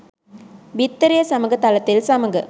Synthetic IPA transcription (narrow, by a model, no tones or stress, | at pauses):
ʋɪt̪ːɐɾɪjɐsɐmɐɡɐt̪ɐlɐt̪ːɪlsɐmɐɡɐ